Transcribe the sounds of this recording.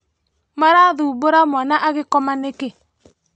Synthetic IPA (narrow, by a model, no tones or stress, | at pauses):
maɾaðuboɾamwanaʔaɣekɔmaneke